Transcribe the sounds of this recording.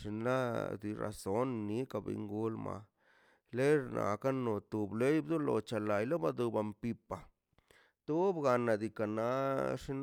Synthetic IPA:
ʂi˧na˦d̪i˧ɾa̰˨so˦nːi˨˦ka˧˨bḛ˧ŋɡu˧lma̰˧ | le˦ɾnʔa̰˨ka˦no˨t̪u˨ble˦jbd̪u˦lo̰˧t͡ʃa˨la˨jlo˦ba˧d̪u˧ba˨mpi˧pa˨ | t̪u˦bɡa˧na˨d̪i˧ka˨na˨˦ʂi˦n

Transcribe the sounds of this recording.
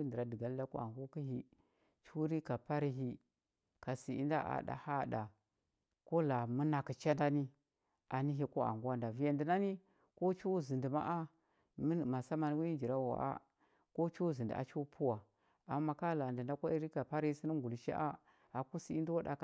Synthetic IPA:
i˦ndə˨ɾa˨di˨ɡa˦lda˦ko̰˦a̰˨ŋɡu˦ki˦ɦi˦ | t͡ʃu˦ɾi˦ka˨pa˦ɾi˦ɦi˦ | ka˨si˨ḭ˦nda˦ʔa̰˨da̰˨ha˦˨da˨ | ko˦la˨mə˦na˨ki˨t͡ʃa˦nda˦ni˦ | ʔa˨ni˦ɦi˨ko˦a̰˨ŋɡa˦nda˨vi˨ja˨ndə˨na˦ni˦ | ko˦t͡ʃu˦zi˨ndi˨ma̰˦ʔa˦ | m˦ma˨sa˦ma˨ni˦wi˦i˦d͡ʒi˨ɾa˦wa̰˨ʔa̰˦ | ko˦t͡ʃu˦zi˨ndḭ˨a̰˨t͡ʃu˦pʰu˦wa˨ | a˨˦mːa˦ka˦la˨də˨nda˦kʷa˦i˦ɾi˦ka˨pa˦ɾi˦i˦si˦ni˦ɡu˨lʃḭ˦ʔa˦ | a˨ku˦si˨i˦ndi˦wa˦da̰˨k

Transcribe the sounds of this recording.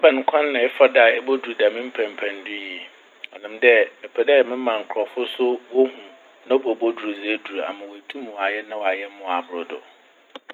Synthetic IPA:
a˦bã˨ŋ˨˦kʷʰã˦nːã˨ɛ˦fa˦da˨ɛ˦bo˦du˨ɾda˨mĩ˦m̩˦pʰæ̃˨m˨pʰæ̃˨ndʊ˦jiɛ˨ | ɔ˨nɪ̃˨mdɛ˦ɛ˨pʰɛ˨dɛ˦ɛ˨mɪ̃˦mã˨ŋ̩˨kʰɾɔ˨fʊ˦sʊ˦bo˦hũ˨ | nã˦bo˨bo˦du˨ɾo˨ze˦du˨a̰˨mã˨wɔ˨æ˨tʰũ˦m̃˨wa˨jɛ˦nã˦wɔ˨a˨jɛ˦mʊ̃˨a˨bʊ˨ɾʊ˨dʊ̰˨

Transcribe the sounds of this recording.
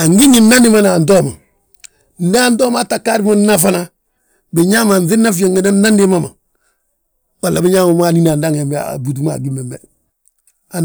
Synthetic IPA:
a˨ŋɡi˦ɲi˨na˦nɪ˦ma˦na˨ndɔ˦˨ma˨ | n̩˦da˦˨ndɔ˦m˦a˦ta˨ka˦ɾi˦mo˦na˦fa˦na˦ | bɪ˨ɲa˦ma˨nθɪ˦na˦fi˦ja˨ŋɡi˨na˦na˦ndɪ˦ma˦ma˨ | wa˨lːa˨bɪ˦ɲa˦mo˨m˦a˨ni˦na˨nda˦ŋ˨e˨mb̰bu˨t̬u˦ma̰˨ɡi˦mɛ˨mɛ̰˨ | a˨

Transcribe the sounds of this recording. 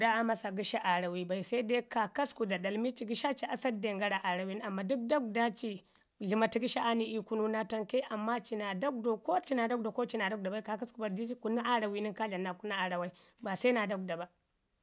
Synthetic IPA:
u˨ɗa˦a˦ma˦sa˨ɡi˦ʃa˦ʔa˨ɾa˨wi˨˦ba˨i˦˨sa˦de˦ka˨ka˦sku˨da˨da˨lmi˦t͡ʃi˨ɡi˦ʃa˦t͡ʃi˦ʔa˨sa˦de˨ŋɡa˦ɾa˨ʔa˨ɾa˨wi˦n˦a˨mːa˨du˦k̚da˦ɡda˦t͡ʃi˨ | ɮi˨ma˨ti˨ɡi˦ʃa˦ʔa˦ni˨ʔi˦ku˦nu˦na˦ta˦ŋke˦ʔa˨mːa˦t͡ʃi˨na˨da˦ɡ̚do˨ko˦t͡ʃi˦na˨da˦ɡ̚do˨ko˦t͡ʃi˦na˨da˦ɡ̚da˨ba˦i˦ka˨ka˦sku˨ba˨di˦i˦ku˦na˦ʔa˦ɾa˨wi˦ni˦nka˦ɮa˨nːa˨ku˦na˦a˨ɾa˨wa˦i˦ba˨sa˦na˨da˦ɡ̚da˨ba˨

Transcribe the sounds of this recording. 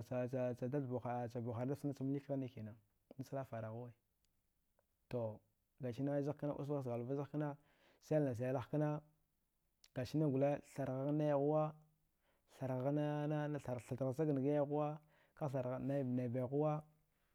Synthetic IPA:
a˨a˨a˨da˦ɬbo˨xa˨t͡ʃa˨bo˨xa˨da˦sna˦t͡sa˦m˦li˦kɣa˦ni˦ki˨na˨ | na˦sa˦la˦fa˨ɾa˨ɣu˦we˦˨ | to˨ | ɡa˨t͡ʃi˦na˦za˦ka˦na˦ʔṵ˦s̬ɣa˦s̬ɡa˨lva˦za˦ka˦na˦ | sa˦˨na˨s̬a˨ja˨la˦xka˦na˦ | ɡ̥a˨t͡ʃi˦na˦ɡu˨la˦ɬa˨ɾɣa˦ɣa˦na˦ja˨ɣu˦wa˦ | ɬa˨ɾɣna˦a˦a˨ɬa˨dsa˦ɡa˨n˨ɡa˦ja˦ɣu˦wa˦ | ka˦ɬa˨ɾa˨na˦˨na˨ba˨ɣu˦wa˦

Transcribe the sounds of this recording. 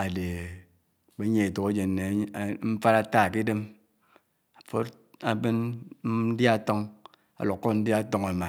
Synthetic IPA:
a˨de˨ | k͡pe˦ɲe˦e˨to˨e˦d͡ʒe˨n˨ne˨˦m̩˦fa˦ɾa˦ta˦˨ki˦de˦m | a˨fo˦t | a˦be˦n˦n̩˦dja˦˨to˦ŋ | a̰˨lo˨kkːo˦tn̩˦dja˦˨˦to˦ŋa˨ma˨

